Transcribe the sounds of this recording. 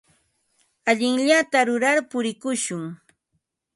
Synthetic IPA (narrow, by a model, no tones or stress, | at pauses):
aʎɪŋʎat̪aɾʊɾaɾpʊɾɪkʊʃʊŋ